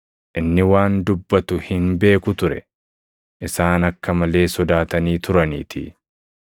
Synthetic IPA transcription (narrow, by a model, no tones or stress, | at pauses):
ʔɪnːɪwaːnd̪ʊbːɐt̪ʊhɪnbe̞ːkʊt̪ʊɾɛ̰ | ʔɪsaːnɐkːɐmɐle̞ːsɔd̪aːt̪ɐniːt̪ʊɾɐnḭːt̪ʰɪ̰